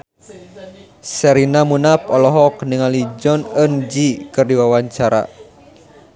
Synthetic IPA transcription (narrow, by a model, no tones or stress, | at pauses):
sɛɾinamunapɔlɔɦɔknəŋalid͡ʒɔnənd͡ʒikɨrdiwawaɲt͡ʃaɾa̰